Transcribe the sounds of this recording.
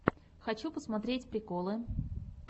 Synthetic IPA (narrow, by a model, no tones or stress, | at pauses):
xɐt͡ɕupəsmɐt̪ɾʲetʲpɾʲɪkolˠɨ